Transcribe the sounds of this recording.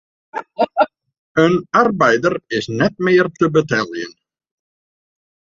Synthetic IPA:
œnaɾpaːjðaɾɪsnɛt̪mejaɾt̪ʰʏpʏt̪ʰɛljɪ̰n

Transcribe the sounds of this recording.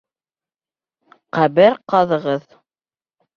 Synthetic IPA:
qæβɘɾqɑðɤ̆ʁɤð

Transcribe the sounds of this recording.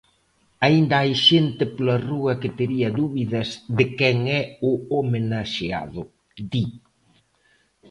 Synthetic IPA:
aind̪ɐajʃent̪ɪpolɐruɐkɪt̪eɾiɐðuβiðɐsðɪkɛŋɛʊomenaʃea̰ðʊ | d̪i

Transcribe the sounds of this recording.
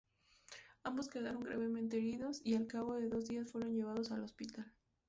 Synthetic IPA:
ambo̞ske̞ðaɾo̞ŋɡɾa̰βe̞mẽ̞nt̪̬eeɾiðo̞sialkaβo̞ðe̞ðo̞zðiasfwe̞ɾo̞nʝe̞β̞aðo̞salo̞spit̪al

